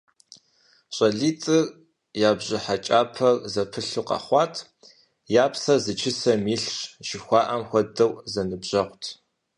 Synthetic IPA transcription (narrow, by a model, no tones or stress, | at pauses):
ɕʷʼɐɮiːt͡sʼɨr | jaːbʑɪħat͡ʃʼaːpʰɐrzɐpʰɨɬuqɑ̰χʷɑːtʰ | jaːpsɐzɨt͡ʃʰɪsɐmiːɬɕʒɪxʷɑːʔɐmxʷɔdɐwzɐnɨbʑ̥ɐʁʷtʰ